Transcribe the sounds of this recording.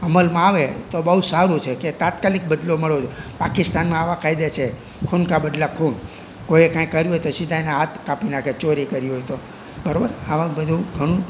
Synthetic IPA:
əməlmãaʋet̪obəɦusaɾũt͡ʃʰeket̪at̪kalik̚bəd̪loməɭod͡ʒopakɪst̪anmãaʋãkʰajd̪at͡ʃʰe | kʰunkabəd̪lakʰun | kojekãjkəɾjuɦojt̪osɪd̪ʱajneɦat̪kapinakʰet͡ʃoɾikəɾijojt̪o | bəɾobəɾaʋãbəd̪ʱũɡʱəɽ̃ũ

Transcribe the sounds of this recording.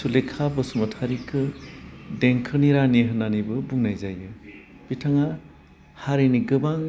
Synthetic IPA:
sulekʰabɯsumatʰaɾikʰɯ | deŋkʰɯɾniɾaniɦɯnanibɯbuŋnajzajɯ | b̥itʰaŋa | haɾiniɡɯbaŋ

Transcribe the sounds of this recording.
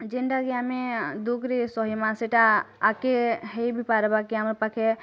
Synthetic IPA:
d͡ʒenɖaɡjamẽd̪ukɾesɔɦimãseʈaːkeɦejbʱipaɾbakiampakʰe

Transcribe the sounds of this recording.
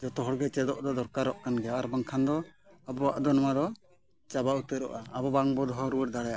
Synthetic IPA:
d͡ʒɔt̪ɔɦɔɽɡɛt͡ʃɛd̪ɔʔd̪ɔd̪ɔɾkaɾɔʔkanɡɛaaɾbaŋkʰand̪ɔabɔwaʔd̪ɔnamad̪ɔ | t͡ʃabaut̪əɾɔ̰ʔaabɔbaŋbɔd̪ɔɦɔɾuwɛɾd̪aɽajaʔ

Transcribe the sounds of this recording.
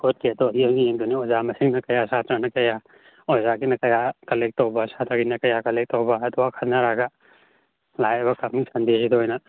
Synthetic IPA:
kot̚keɐd̪ɔiɐŋijeŋd̪uniozamɐsiŋnɐkɐjasat̪ɾɐnɐkɐja | ozaɡinɐkɐjakɐlek̚tawbɐsat̪ɾɐɡinɐkɐjakɐlek̚tawbaɐd̪ɔwakʰanaɾaɡa | lajɐbɐkamnisɐnd̪eɦid̪oɦɔjnɐ

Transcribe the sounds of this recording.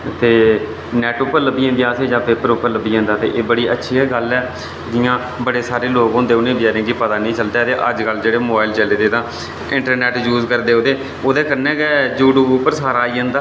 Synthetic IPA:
t̪eː | nɛːʈʊpːəɾləbiːãːd̪ijaːseːd͡ʒãːpeːpəɾʊpːəɾləbiːãːnd̪aːt̪ḛːʔeːbəɽiːətːʃʰiːɛːɡəlɛː | d͡ʒɪjãː | bəɽeːsaːɾeːloːɡõːnd̪eːʊnẽːbjaːɾẽːkipət̪aːnĩːt͡ʃəld̪eːt̪eːʔəd͡ʒkəld͡ʒeːɽeːmoːbaːilt͡ʃəleːd̪eːt̪ãː | ɪ̃ɳʈəɾnɛːʈjuːzkəɾd̪eːoːd̪eː | oːd̪eːkəɾnɛ̃ːɡɛːd͡ʒuːʈuːʊpːəɾsaːɾaːiːə̃ːnd̪aː

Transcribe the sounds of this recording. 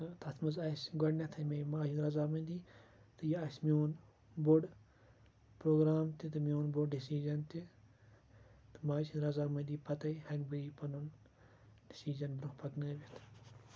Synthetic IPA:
ɨt̪ɐt̪ʰmɐzɐsɡɐɽnʲɐt̪ʰɐmʲejmaːʃʰinɾɐzaːmɐnʲd̪i | t̪ɨjiɐsmijoːn | boɖ | pɾoːɡɾaːmt̪it̪ɨmijoːnboɖɖisiːzɐnt̪i | t̪ɨmaːt͡ʃiɾɐzaːmɐnʲd̪iːpɐt̪ɐjhɐŋʲbɨipɐnun | ɖisiːd͡ʒɐnbɾukpɐknɐːbit̪ʰ

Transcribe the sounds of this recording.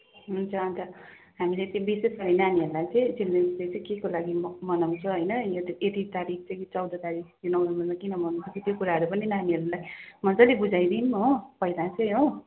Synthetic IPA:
ɦunt͡sʰʌʌnt͡sʰʌ | ɦamiletĩbisesɡʌɾʌnaniɦʌɾulajt͡sʌĩd͡zilːeslet͡sʌĩkekolaɡimmʌnʌwt͡sʰʌɦʌjnʌjot̪et̪it̪aɾik̚ʰt͡sʌ̃j̃t͡sʌwd̪ʌt̪aɾikjonʌwɾʌmʌnmakinʌmʌnʌnt͡sʰʌkʰit̪jokuɾaɦʌɾupʌninaniɦʌɾulajmʌnt͡sʌlebud͡zajd̪inmʌpʌilat͡sʰʌj̃ɦo

